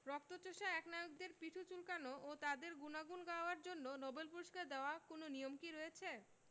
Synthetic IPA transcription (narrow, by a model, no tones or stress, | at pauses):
ɾɔk̚t̪ot͡ɕoʃaɛknajoɡ̚d̪eɾpiʈʰut͡ɕulkanoʔot̪ad̪eɾɡunaɡunɡaoaɾd͡ʑonːonɔbelpuɾiʃkaɾd̪eoakononijomkiɾɔjet͡ɕʰe